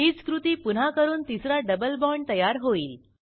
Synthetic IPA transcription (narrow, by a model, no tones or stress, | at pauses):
it͡skɾut̪iːpun̤akəɾuːnt̪isɾaɖəbəlbɔɳɖt̪əjaɾɦoiːl